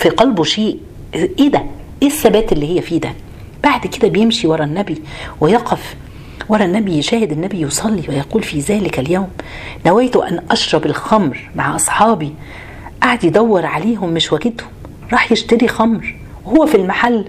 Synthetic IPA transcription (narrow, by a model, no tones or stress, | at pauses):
fiqɑlboʃeːʔ | ʔeːd̪æʔeːsːæbæːt̪elːihɪjːæfiːd̪æ | b̥aʕd̪ked̪æbejemʃiwɑɾˤɑnːæbiwɪjɑqɑf | wɑɾˤɑnːæbijʃæːhɪd̪ɪnːæbijosˤɑlːiwejɑquːlfiːzæːlɪkæljæwmnæwæːt̪ʊʔænʔɑʃɾˤɑbɪlxɑmɾmaʕʔɑsˤħɑːbi | ʔaʕad̪jed̪æwːɑɾˤʕaleːɦʊmːɪʃwæɡed̪hʊm | ɾˤɑːħjeʃt̪æɾixɑmɾ | wehowːæfilmaħalː